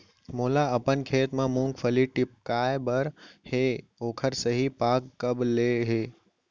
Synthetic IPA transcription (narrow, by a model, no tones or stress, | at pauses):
moːlaəpənkʰeːt̪mãmũŋɡfʰəliʈɪp̚kaːjbəɾheoːkʰəɾsəɦipaːkːəbleɦeː